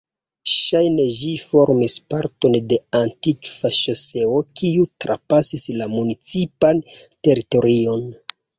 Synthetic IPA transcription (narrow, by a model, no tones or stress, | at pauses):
ʃajne̞ʒifo̞ɾmispaɾto̞nde̞antikvaʃose̞okʰiutɾa̰pasislamunit͡sipante̞ɾito̞ɾio̞n